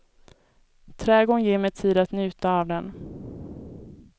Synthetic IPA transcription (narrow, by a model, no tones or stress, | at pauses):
t̪ʰɾɛːɡoɳjeːɾmɛjt̪ʰiːd̪at̪njʉ̟ːt̪aːvd̪ɛn